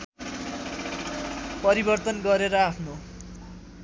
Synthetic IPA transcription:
pʌɾibʌrt̪ʌnɡʌɾeɾʌapʰno

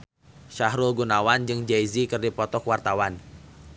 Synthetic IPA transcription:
ʃaɦɾulɡunawand͡ʒɨŋd͡ʒaizikɨrdipɔt̪ɔkwart̪awan

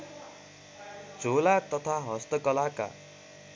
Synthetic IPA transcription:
d͡zʱolat̪ʌt̪ʰaɦʌst̪ʌkʌlaka̰

